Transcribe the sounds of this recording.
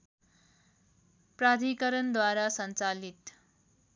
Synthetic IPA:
pɾad̪ʱikʌɾʌnd̪waɾasʌnt͡salit̪

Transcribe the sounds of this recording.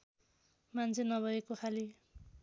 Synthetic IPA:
mant͡sʰenʌbʱʌekokʰali

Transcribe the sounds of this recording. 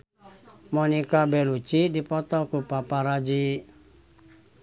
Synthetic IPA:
mɔnikabɛlut͡ʃidipɔt̪ɔkupapaɾad͡ʒi

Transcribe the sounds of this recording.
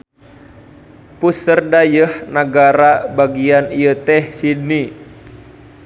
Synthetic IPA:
pusərdajəhnaɡaɾabaɡianijət̪ɛhsidni

